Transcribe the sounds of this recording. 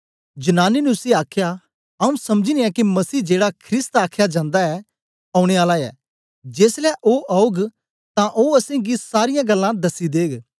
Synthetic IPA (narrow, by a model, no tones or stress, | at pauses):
d͡ʒɐnaːninʊsiaːkʰja | ɐũsɐmd͡ʒiniɛkimɐsiːd͡ʒeːɽakʰɾɪst̪aːkʰjad͡ʒãːnd̪aɛ | ɐ̃ːʊɽ̃eaːlaɛ̰ː | d͡ʒeːslɛʔoːʔaːʊɡ | t̪ãʔoːɐsẽɡisaːɾɪjãɡɐlːãd̪ɐsid̪eːɡ